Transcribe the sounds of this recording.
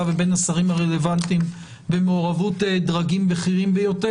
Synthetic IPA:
avebe̞nasaʁimhaʁele̞vantim | be̞meoʁavutedʁaɡimbeχiʁimbejo̞te

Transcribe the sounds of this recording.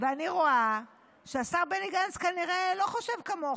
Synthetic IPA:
veaniʁo̞a | ʃeasaʁbeniɡanzkaniʁe̞lo̞χoʃe̞vkamo

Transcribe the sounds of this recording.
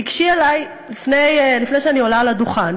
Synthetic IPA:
iɡʃielaj | lifnejlifneʃɛaniolaːladuχan

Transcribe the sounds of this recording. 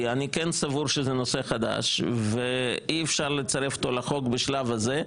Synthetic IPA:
anikɛnsavuɾʃezenoseχad̪a̰ʃveiefʃaʁlet͡saɾefo̥t̪olaχo̞kbeʃlavaze

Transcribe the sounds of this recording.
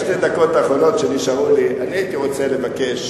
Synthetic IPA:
ʃted̪ako̞taːχo̞no̞tʃeniʃaʁuliʔaniait̪iʁo̞t͡sele̞vakeʃ

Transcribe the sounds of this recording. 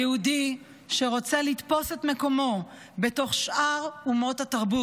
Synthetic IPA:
eudi | ʃe̞ʁo̞t͡selit̪po̞se̞tme̞ko̞mo̞ | beto̞χʃʔaʁumo̞thataʁbu

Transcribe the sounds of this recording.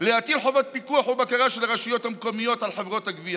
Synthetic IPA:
leat̪ilħovat̪̚pikuaħubakaʁaʃelaʁaʃijo̞t̪hamko̞mijo̞t̪ʕalħevʁo̞t̪haɡvia

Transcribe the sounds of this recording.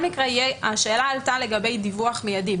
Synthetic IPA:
mikʁeijeaʃeːlaːltale̞ɡabe̞jd̪ivuaχmejadim

